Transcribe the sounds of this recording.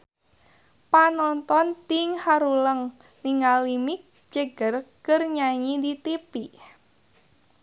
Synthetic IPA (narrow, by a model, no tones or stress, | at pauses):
panɔnt̪ɔnt̪iŋhaɾuləŋ | niŋalimik̚ | d͡ʒəɡərkərɲaɲidit̪ipi